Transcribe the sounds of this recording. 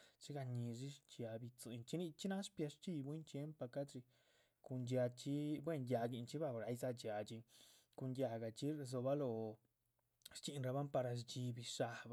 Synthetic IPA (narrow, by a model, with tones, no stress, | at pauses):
t͡ʃi˦ɡa˧ɲi˧ʐi˦t͡ʃa˧bi˧t͡su˧˨jnt͡ʃi˦ni˧t͡ʃi˦na˦spja˧ʂt͡ʃi˧jbwi˦nt͡ʃje˦mpa˧ka˦d̪ɾi˧ | ku˧nd͡ʒja˧t͡ʃi˦bwe˦˧˨nja˧ɡi˧nt͡ʃi˦ba˦˧bɾa˧˦jza˧d͡ʒja˨t͡ʃi˧ | ku˧ndʲja˧ɡa˨t͡ʃi˦ɾzo˧ba˦lo˧ | ɾt͡ʃi˧nɾa˧ba˦mpa˧ɾa˧sd͡ʒi˧bi˧ʃa˧b